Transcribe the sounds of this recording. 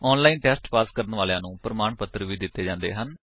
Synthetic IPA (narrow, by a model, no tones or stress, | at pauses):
ɔːnlaːiːnʈɛːsʈpaːskəɾənʋaːlejãːnũːpɾəmaːɳpət̪ːɾəʋiːd̪ɪt̪ːeːd͡ʒãːnd̪ḛːɦən